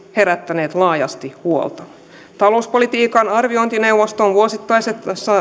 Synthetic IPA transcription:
he̞ɾæt̪ːæne̞ːt̪lɑːjɑ̰st̪ihuo̰lt̪ɑ | t̪ɑlo̞uspolit̪iːkɑnɑrʋio̞jnt̪ineuwʋost̪onʋuosit̪ːɑjset̪sɑ

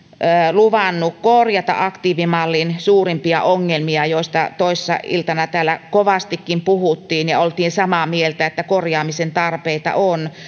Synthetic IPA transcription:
əːluʋɑnːukkorjɑt̪ɑ̰ʔɑkt̪iːʋimɑlːinsuːrimpiɑ̰ʔoŋːelmiɑjoist̪ɑt̪oisːɑ̰ḭlt̪ɑnɑt̪æːlækoʋɑst̪ikːimpuhut̪ːiːnjɑolt̪iːnsɑmɑmielt̪æet̪ːækorjɑːmisent̪ɑrpeit̪ɑ̰ʔon

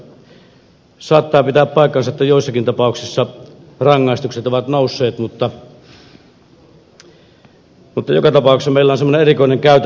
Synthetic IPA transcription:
sɑːt̪ːɑːpit̪æːppɑˑikːˑɑnsɑt̪ːæjoˑisːɑkint̪ɑpɑˑuksisːɑ | rɑŋːɑˑest̪ukset̪oʋɑt̪noˑusːˑeːt̪mut̪ːɑ | mut̪ːɑjo̰kɑt̪ɑpɑˑuksːɑmeˑilːæonsemːoneerikoˑineŋkæˑyt̪

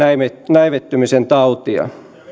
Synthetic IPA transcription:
imenæiʋet̪ːymisent̪ɑut̪iɑ̰

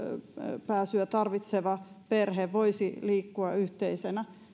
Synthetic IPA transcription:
pæːsyæt̪ɑrʋit̪seʋɑ | perheʋʋoisiliːkːuɑyht̪eisenæ

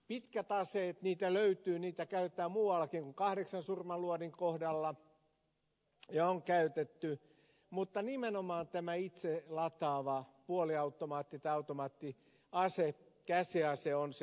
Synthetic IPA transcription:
pit̪kæt̪ɑseːet̪niːt̪æløyt̪yːniːt̪ækæyet̪ːˑæːmuːwɑlːˑɑkiŋkuŋkɑhɾeksɑnsurmɑluoniŋkohdɑlːɑ | jɑoŋkæyt̪et̪ːy | mut̪ːɑnimenomɑːnt̪æmæit̪selɑt̪ɑːʋɑpuoliɑut̪ːomɑːt̪ːit̪ɑɑut̪omɑːt̪ːi | ɑsekæsiɑseons

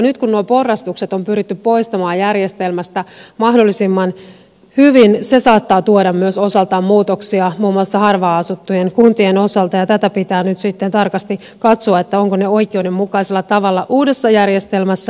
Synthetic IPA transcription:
nyt̪kunnuopo̞rːɑst̪ukse̞t̪o̞mpyɾit̪ːyppo̞ist̪ɑmɑːjærjest̪e̞lmæst̪æmɑhdo̞lːisimːɑn | hyʋinse̞sɑːt̪ːɑːt̪uodɑmmyøso̞sɑlt̪ɑːmmuːt̪oksiɑmuːmːuɑlsːɑhɑrʋɑːɑsut̪ːujenkunt̪ieno̞sɑlt̪ɑjɑt̪æt̪æpit̪æːnyt̪sit̪ːe̞nt̪ɑrkɑst̪i | kɑt̪soɑet̪ːæo̞ŋkoneo̞ikˑeude̞mːukɑiselːɑt̪ɑʋɑlːɑʔuːde̞sːɑjærjest̪e̞lmæsːæ

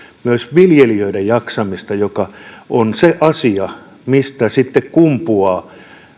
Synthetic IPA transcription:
myøsʋiljeliøidejjɑksɑmist̪ɑjokɑʔonseʔɑsiɑ | mist̪æsit̪ːekkumpuɑː

